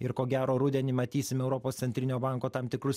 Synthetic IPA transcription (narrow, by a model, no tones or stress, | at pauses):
ɪɾkoːɡʲæːɾoːɾʊd̪ʲɛnʲiːmɐt̪ʲiːsʲɪmʲɛʊɾɔpoːst̪sʲɛnʲt̪ʲɾʲɪnʲoːbɑˑŋkoːt̪ɐmt̪ʲɪkɾʊs